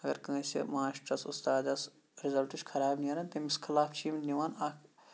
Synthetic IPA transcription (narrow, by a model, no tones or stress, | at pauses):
ɐɡɐɾkɐ̃sḛmaːʃʈɐsʊst̪aːd̪ɐs | ɾizɐlʈuʃkʰɐɾaːbnijɐːɾɐnt̪ɐmiskʰɐlaːft͡ʃʰiːmniʋaːnaːkʰ